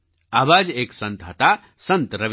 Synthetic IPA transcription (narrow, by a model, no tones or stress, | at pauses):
abad͡ʒeksə̃nt̪ɦət̪a | sə̃nt̪ɾəʋ